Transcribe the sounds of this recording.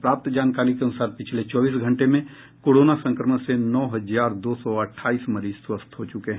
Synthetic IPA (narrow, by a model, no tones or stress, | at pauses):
pɾaːp̚t̪d͡ʒaːnkaːɾikeɐnʊsaːɾpɪt͡ʃʰlet͡ʃɔːbiːsɡʱə̃ɳʈemẽ | koːɽoːnasə̃ŋkɾəmə̃senɔːɦɐd͡ʒaːɾd̪oːsɔəʈʰːaːiːsməɾiːd͡ʒswəst̪ʰɦot͡ʃʊkeɦɛ̃